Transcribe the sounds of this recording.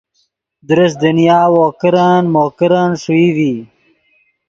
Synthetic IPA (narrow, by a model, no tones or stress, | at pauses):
d̪ɾɐsd̪ənjaːwoːkəɾanmoːkəɾanʂuivi